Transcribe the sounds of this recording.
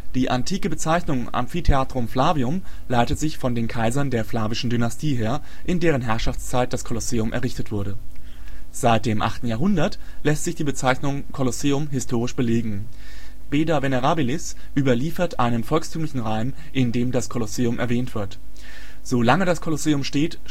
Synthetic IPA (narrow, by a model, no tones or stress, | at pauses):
d̥iːʔantʰiːkəbət͡saɪçnʊŋʔa̰mnfitʰeaːtʁ̥ʊmflaːviʊmlaɪtətz̥ɪçfɔndeːnkʰaɪzɐndeːɐflaːvɪʃn̩dynastʰiːɦeːɐ | ʔɪndeːʁ̞ənɦɛɐʃaft͡st͡saɪt̚d̥askʰoloseːʊmʔɛ̰ɐʁɪçtətv̥ʊɐɾə | z̥aɪt̚d̥eːmʔa̰χtn̩jaːɐɦʊndɐtlɛstz̥ɪçd̥iːbət͡saɪçnʊŋkʰɔloseːʊmɦɪstʰoːʁɪʃb̥əleːɡŋ̩ | b̥eːdaveneʁaːbilɪs | ʔyːbɐliːfɐtʔa̰ɪnənfɔlkstʰyːmlɪçn̩ʁaɪm | ʔɪndeːmdaskʰoloseːʊmʔɛ̰ɐvɛːntv̥ɪɐt | z̥oːlaŋədaskʰoloseːʊmʃteːt